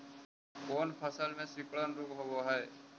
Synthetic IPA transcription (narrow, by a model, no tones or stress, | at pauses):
koːnpʰəsəlmẽːsɪkɭənɾuːkɦoboːɦɛː